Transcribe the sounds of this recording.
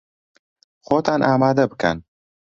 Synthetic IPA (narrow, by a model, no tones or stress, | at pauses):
xoːt̪aːnʔaːmaːd̪ɐbɨkɐ̰n